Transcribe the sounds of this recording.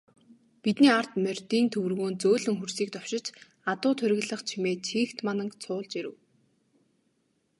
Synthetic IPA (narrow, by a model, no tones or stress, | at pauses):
pit̪niːar̥t̪mœr̥ʲt̪iːnt̪ʰɵwɘ̆rɣoːnt͡soːɮɘ̆ŋxursiːk̚t̪ɔw̥ʃɪ̆t͡ɕ | at̪ʊːt̪ʰʊɾʲɣ̆ʲɮə̆χt͡ɕʰimeːt͡ɕʰiːxt̪manə̆kt͡sʰʊːɮt͡ɕiɾɘ̆w